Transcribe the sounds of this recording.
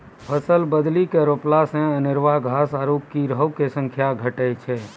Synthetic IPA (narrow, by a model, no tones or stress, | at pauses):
pʰəsəlbəd̪likeɾoplasẽənɪɾʋaɡʱasaɾokːiɾəwkesə̃ŋkʰjaɡʱəʈɛt͡ʃʰɛ